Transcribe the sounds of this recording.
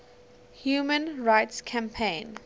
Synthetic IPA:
hjuːmə̃nɹaɪtskʰãmpʰẽɪ̃n

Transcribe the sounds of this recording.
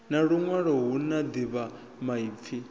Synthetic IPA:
naɺuŋwaɺɔɦunad̪iβa | maip̪fʰi

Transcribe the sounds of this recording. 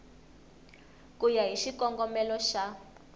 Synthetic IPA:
kujaɦiʃikɔŋɡɔmɛlɔʃa

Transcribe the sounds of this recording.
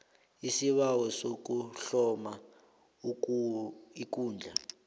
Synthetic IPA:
isiβawɔsok̬ʼuɬɔma | u | ik̬ʼuːnd͡ɮʱa

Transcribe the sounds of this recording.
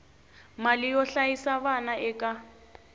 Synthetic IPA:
malɪjɔɬaisaβanaʔɛkʼa

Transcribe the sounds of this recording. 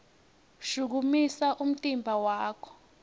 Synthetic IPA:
ʃuk̬umisaʔum̩tʼimbʱawaːkʰɔ̥

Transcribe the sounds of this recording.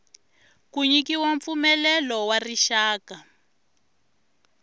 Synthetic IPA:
kuɲikiwaɱfumɛlɛlɔwariʃaːka

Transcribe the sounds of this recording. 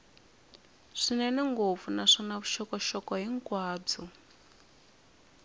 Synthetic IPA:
ʂinɛnɛŋɡob̪vunaʂɔnaβuʃɔkɔʃɔkɔɦiŋkwaːb͡ʐɔ

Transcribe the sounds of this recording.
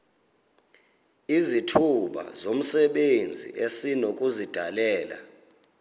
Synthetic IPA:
izitʰuɓa̰zom̩sɛɓend͡zʱḭʔesinok̬ʼuzid̥ʱalɛːla̰

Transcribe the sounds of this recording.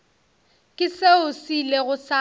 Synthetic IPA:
kʼɪseʊsileɣʊsa

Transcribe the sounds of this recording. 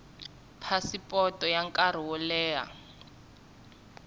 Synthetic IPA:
pʰasipʼɔtʼɔjaŋkʼaɾ̤iwɔlɛːa̰

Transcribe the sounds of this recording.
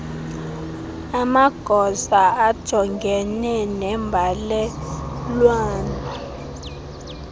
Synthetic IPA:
amaɡ̥ʱɔzaad̥ʒ̥ʱɔŋɡʱɛnɛnɛmbʱalɛlwaːna

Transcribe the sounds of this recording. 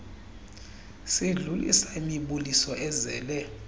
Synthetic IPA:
siɮulḭsaimiɓulisɔʔɛzɛ̰ːlɛ

